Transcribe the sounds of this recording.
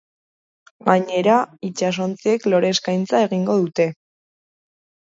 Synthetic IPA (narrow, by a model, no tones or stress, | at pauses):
ɡaɲe̞ɾait͡ʃas̬o̞nt͡sie̞klo̞ɾe̞skajnt͡sae̞ɣiŋɡo̞ðut̪e̞